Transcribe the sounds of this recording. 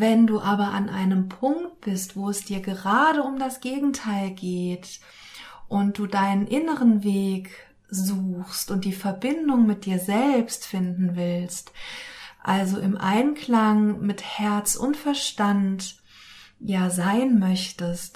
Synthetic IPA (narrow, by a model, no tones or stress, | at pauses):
vɛnduːʔaːbɐʔa̰nʔa̰ɪnəmpʰʊŋkt̚b̥ɪstv̥oːɛsd̥iːɐɡəʁaːɾəʊmdasɡ̥eːɡŋ̩tʰaɪlɡeːt | ʔʊnt̚d̥uːdaɪnənʔɪnəʁənveːk | zuːxstʊnt̚d̥iːfɛɐbɪndʊŋmɪt̚d̥iːɐzɛlpstfɪndn̩vɪlst | ʔalzoʔɪmʔa̰ɪnkl̥aŋmɪthɛɐt͡sʔʊ̰ntfɛɐʃtant | jaːzaɪnmœçtəst